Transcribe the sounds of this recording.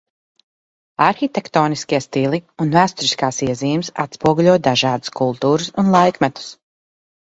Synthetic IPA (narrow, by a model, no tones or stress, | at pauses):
aɾxit̪ɛkt̪ɔːniskʲiɛst̪ilˠiunvæːst̪uɾiskaːsiɛziːmsa̰t̪spuɔɡulʲuɔd̪aʒɑːd̪u̥skulˠt̪uːɾusunlˠajkmɛt̪u̥s